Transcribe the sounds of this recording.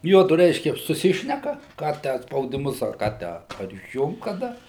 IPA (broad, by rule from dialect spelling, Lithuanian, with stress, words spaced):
ˈjuɔdʊ rʲɛɪʃʲkʲɛ sʊˈsʲɪʃʲnʲɛkɐ ˈkɑː tʲæː ɐ spɐʊdʲɪˈmʊs ɐr ˈkɑː ˈtʲæː ɐr ɪʃʲˈjʊŋkt kɐˈdɐ